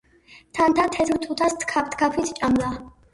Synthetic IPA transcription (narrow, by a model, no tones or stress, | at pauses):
t̪ʰant̪ʰat̪ʰɛt̪ʰɾt̪ʰut̪ʰast̪ʰkʰap̚t̪ʰkʰapʰit̪ʰt͡ʃʼamla